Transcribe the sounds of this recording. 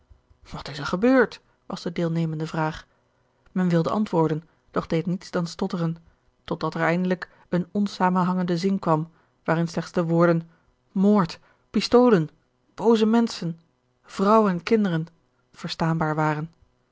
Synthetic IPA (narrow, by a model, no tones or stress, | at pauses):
ʋɑtɪsəɹχəbøːɹt | ʋɑ̰zdədɪːlˠnejməndəvraːχ | mɛnʋɪlˠdəʔɑ̰ntʋʊːɹdən | d̥ɔχd̥ejtnitsd̥ɑnstɔtərən | tɔd̚dɑtɛɹɛjndələk | ənɔnsaːmənɦɑŋəndəzɪnkʋɑm | ʋaːrɪnslɛχtzdəʋʊːɹdən | moːɹt | pɪstowlən | b̥owzəmɛnsən | v̥rʌwənɛnkɪndərən | v̥əɹstaːnbaːɹʋaːrən